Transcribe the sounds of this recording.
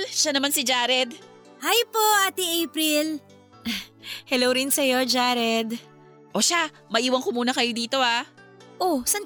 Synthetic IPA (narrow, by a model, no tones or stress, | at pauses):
lʃanɐmansɪd͡ʒaːɾɛd̪̚ | hajpoʔat̪ɪʔejpɾɪl | hɛlowɾɪnsɐjo̞d͡ʒaːɾɛd̪ | ʔo̞ʃa | mɐʔiːwɐnkomuːnɐkɐjod̪iːt̪o̞ʔaʔosɐn